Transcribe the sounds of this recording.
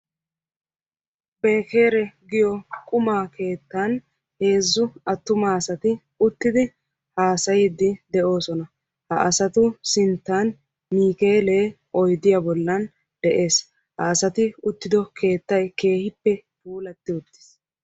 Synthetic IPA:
be̞ːke̞ːɾɛɡɪjɔkʼʊmaːke̞ːt̪ːɐn | he̞ːzːʊɐt̪ːʊmaːsɐt̪ɪ | ʊt̪ːɪd̪ɪ | haːsɐjɪd̪ɪd̪ɛʔo̞ːsɔnɐ | hɐʔɐsɐt̪ʊsɪnt̪ːan | miːke̞ːleː | ʔɔjd̪ɪjabɔlːɐn | d̪̥ɛʔe̞ːs | hɐːsɐt̪ɪʊt̪ːɪd̪ɔkʰe̞ːt̪ːɐjke̞ːhɪpːɛpuːlɐt̪ːɪʊt̪ːɪ̥s

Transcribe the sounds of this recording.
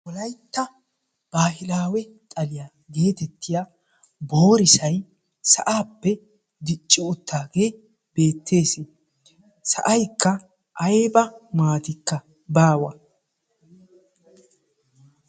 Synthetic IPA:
wɔlɐjt̪ːɐ | b̥aːɦɪlaːwɛ | t̪ʼɐlɪja | ɡe̞ːt̪ɛt̪ʰːɪja | bo̞ːɾɪsɐj | sɐ̰ʔaːpːɛ | d̪ɪt͡ʃʼːɪɔt̪ːaːɡe̞ː | be̞ːt̪ʰːe̞ːse | sɐ̰ʔɐjkːɐ | ʔːjbɐmaːt̪ɪkːɐ | baːwɐ

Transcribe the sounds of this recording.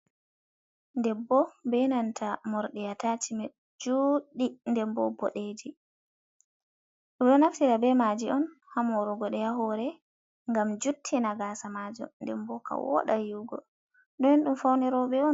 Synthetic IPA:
ndɛbɔbɛnantʰamɔɾɗɛjatat͡ʃimɛ | d͡ʒuːɗindɛmbɔ̰bɔ̰ɗed͡ʒi | ɗumɗɔnaftiɾabɛmad͡ʒiɔnhamɔɾuɡɔɗɛjaɦɔɾɛ | ŋɡamd͡ʒutʰːinaɡasamad͡ʒɔ̰ndɛmbɔka̰wɔ̰ɗa̰juɡɔ̰ | ɗɔjɔnɗumfawnɛɾɔɓɛɔn

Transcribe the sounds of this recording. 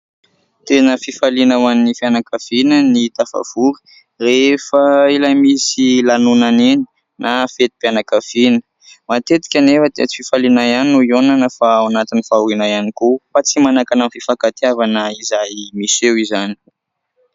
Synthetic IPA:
t̪enəfifalinawanːifjanakavinənit̪afa̰v̥uɾi̥ | refəilamisilanunaneni̥ | nʔafet̪i̥panakəfinə̥ | mat̪et̪i̥kʲanefət̪et͡si̥fifalinajanuionanəfaawnat̪inifauɾinajanikufat͡simanakanamfifakat̪iavanəizajmisewizani̥

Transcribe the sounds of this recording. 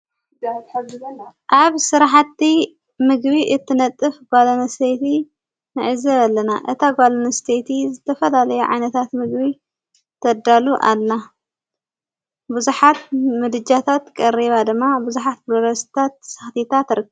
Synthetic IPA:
ʔaβsɨɾaħat̪ːi | mɨɡbiʔɨt̪ʰːɨnɐt̪ʼːɨfɡalonɐst̪ʰejt̪i | nɨʕɨzɐβalːɐnaʔɨt̪ʰaɡalonɐst̪ʰejt̪ʰizɨt̪ʰːɐfɐlalɐjuʕa̰jnɐt̪ʰat̪mɨɡbi | t̪ʰɐd̪aluʔa̰lːa | buzuħat̪̚mɨd̪ɨd͡ʒat̪ʰat̪kʼɐɾiβad̪ɨmːabuzuħat̪̚boɾɐst̪ʰat̪̚sɐxt̪ʰit̪ʰat̪ɾɨkː

